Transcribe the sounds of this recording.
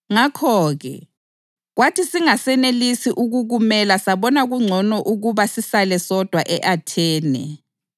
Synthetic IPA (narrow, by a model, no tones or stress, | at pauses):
ŋakʰɔːɣɛ̰ | ɣwatʰisiŋasɛnelisiʔuɣuɣumɛlasaβɔnaɣuŋ͡ǀʱɔnɔʔuɣuβasisalɛsɔd̥ʱwaʔɛʔatʰɛːnɛ̰